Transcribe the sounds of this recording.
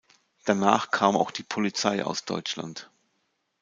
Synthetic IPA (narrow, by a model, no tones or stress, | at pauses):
d̥anaːχkʰaːma̰ʊxd̥iːpʰolit͡saɪʔa̰ʊsd̥ɔ̰ʏt͡ʃla̰nt